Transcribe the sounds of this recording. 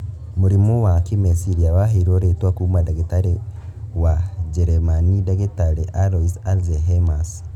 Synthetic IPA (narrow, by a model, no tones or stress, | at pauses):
moɾimɔwakimɛsiɾiawaɦeɾoɾetwakuːmadeɣetaɾewad͡ʒɛɾɛmanidɛɣetaɾeʔaɾɔisalzɛɦemas